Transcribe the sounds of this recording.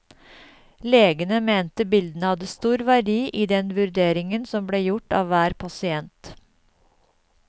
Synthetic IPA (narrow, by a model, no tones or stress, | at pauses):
leːɡənəmeːnt̪əbɪld̪n̩əhɑd̪əst̪uːɾʋæɖiːʔiːd̪ɛnʋʉɾd̪eːɾɪŋənsɔmbleːjʊʈɑ̰ːʋʋæːɾpʰɑsɪɛnt̪